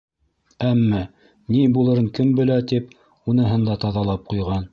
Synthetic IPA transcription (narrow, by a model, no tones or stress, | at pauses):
æmːæ | nibulˠɤ̆ɾɤɴkɘmbɘ̆læt̪ip | unɤ̆ɦɤnd̪ɑt̪ɑðɑlˠɑp̚qujʁɑn